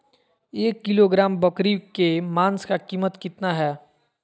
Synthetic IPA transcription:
eːkːɪloɡɾaːmbɐkɾikemaːnskakiːmət̪kɪt̪naɦɛː

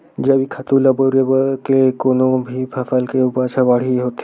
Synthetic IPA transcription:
d͡ʒɐbikʰat̪uːlɐboɾebəkekoːnõbʱipʰɐfəlkeupat͡ʃʰabaːɽ̤iɦoːt̪ː

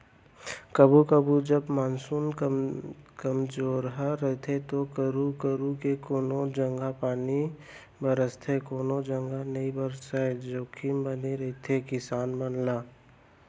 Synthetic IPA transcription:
kəbukəbud͡ʒəbmaːnsuːn | kəmzoːɾɦaɾəɦt̪ʰet̪okəɾukəɾukekoːnod͡ʒə̃ŋɡapaːni | bəɾəst̪ʰekoːnod͡ʒə̃ŋɡanəibəɾsaed͡ʒoːkʰimbəneɾəɦit̪ʰekɪsaːnmənlaː

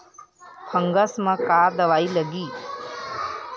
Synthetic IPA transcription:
pʰəŋɡəsmə̃kaːɾd̪əʋaːiləɡiː

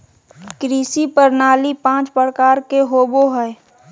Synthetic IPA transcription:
kɾiːsipəɾnaːlipãːt͡ʃpəɾkaːɾkeɦoːboɦɛː

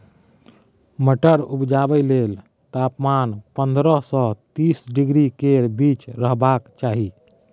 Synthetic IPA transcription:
məʈəɾubd͡ʒabəjlel | t̪apmanpənd̪ɾəsɔ̃t̪isɖiɡɾikebit͡ʃɾəɦbakt͡ʃaɦi

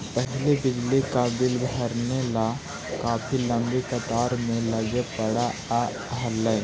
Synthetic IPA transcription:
pɛɦlebɪd͡ʒlikabɪlbʱəɾnela | kaːpʰilɐ̃mbekɐt̪aːɾmẽlɐɡepɐɽa | ɦəlːɛː

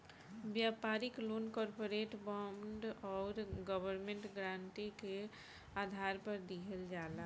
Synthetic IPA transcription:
bjapaɾɪkloːnkɔːɾpoɾeʈbɔmɖɔːɾɡəbəɾmẽɳʈɡɾãnt̪ike | ad̪ʱaɾpəɾd̪iɦəld͡ʒala

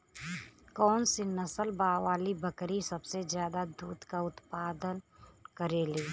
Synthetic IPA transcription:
kɔːnsinɐsəlbaːʋaːlibəkɾisɐbsezjaːd̪ad̪uːt̪kaʊt̪paːd̪ənkəɾeːliː

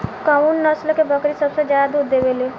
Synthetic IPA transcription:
kaunːɐslkebʱəkɾisɐbsed͡ʒjaːd̪ud̪eʋeːleː

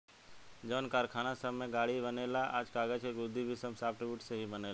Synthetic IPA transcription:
d͡ʒəːnkaːɾkʰaːnasəbmẽɡaːɽibənelaʔa̰ːd͡ʒkaːɡəd͡ʒkeɡʊd̪ʱːibʱisəbsaːp̚ʰʈɾɪbjuːʈseɦibəneːl

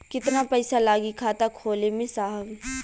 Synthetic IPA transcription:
kɪt̪napɛɪsalaːɡikʰaːt̪akʰoːlemẽsaːɦəɡ

